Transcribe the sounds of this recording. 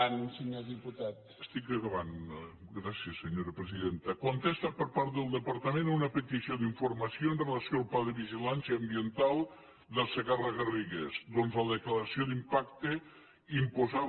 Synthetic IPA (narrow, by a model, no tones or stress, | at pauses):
anunseɲoðiput̪at̪ | əst̪ikəɣəβanɡɾasiəsːeɲoɾɐpɾeziðent̪ɐkont̪est̪ɐpəɾpaɾt̪̚d̪əlˠd̪əpɐɾt̪əmenunɐpet̪isjoðiɱfuɾmɐsjoenrelɐsjoalˠplaðəβiʒilansjɐːmbient̪alˠ | d̪əseɣaraɣəriɣezd̪onzləðekləɾɐsiod̪impak̚t̪e | impoza